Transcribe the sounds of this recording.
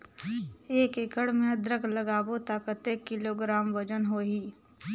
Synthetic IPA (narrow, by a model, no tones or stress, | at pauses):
eːkɪkəɽmẽd̪ɾəɡləɡaːbot̪aːkət̪eːkːɪloːɡɾaːmʋəd͡ʒənɦoːɦiː